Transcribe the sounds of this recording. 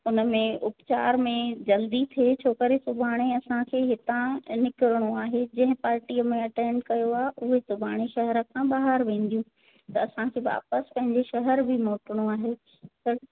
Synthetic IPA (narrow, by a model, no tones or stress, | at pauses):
ʊnə̆mẽʊpt͡ɕaːɾmẽd͡ʑɐld̪it̪ʰet͡ɕʰoːkəɾesʊbʱaːɽ̃eɐsãkʰeːɦɪt̪ãnɪkɪɾəɽ̃oaːɦed͡ʑɐ̃ɦɪ̃paːɾʈiːəmẽɐʈẽːɳɖkɐjoaːɦeʔʊɦesʊbʱaːɽ̃eʃɐɦɛɾə̆kʰãbaːɦəɾʋẽːn̆d̪ijũ | t̪ɐɐsãkʰeːʋa̰ːpəspɐ̃ɦɪ̃ɲd͡ʑeʃɐɦəɾbʱɪmoːʈɪɽ̃oaːɦe | ɐ